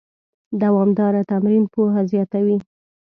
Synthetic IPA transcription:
d̪awɑmd̪ɑɾat̪amɾinpoɦazjɑt̪awi

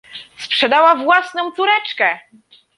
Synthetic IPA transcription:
spʂɛd̪awavwasnɔ̃w̃t̪suɾɛt͡ʂkɛ

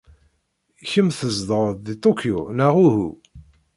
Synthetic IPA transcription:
çəmθəzd̪ˤəɾˤðit̪ˤokʰiunaʁuhṵ

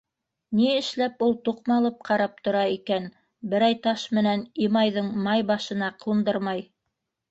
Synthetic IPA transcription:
niɘ̆ʃlæpulˠt̪uqmɑlˠɤp̚qʰɑɾɑp̚t̪ŏɾɑikæn | bɘ̆ɾɑjt̪ɑʃmɘ̆nænimɑjðɤɴmɑjbɑʃɤ̆nɑqʰund̪ɤɾmɑj

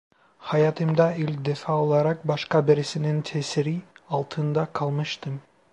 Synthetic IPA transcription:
hɑjɑt̪ɯmd̪ɑilʲd̪efɑolˠɑɾɑq̚bɑʃqɑbeɾisinint̪ʰesiɾiɑlˠt̪ʰɯnd̪ɑqʰɑlˠmɯʃt̪ɯm

